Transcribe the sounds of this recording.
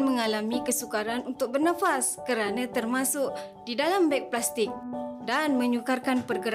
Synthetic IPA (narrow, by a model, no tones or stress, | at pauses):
mə̃ŋalamĩkəsukaɾanunt̪ʊk̚bərnafaskəɾanãt̪ərmasʊk | didalambak̚plast̪ɪk̚danmə̃ɲukarkanpərɡəɾ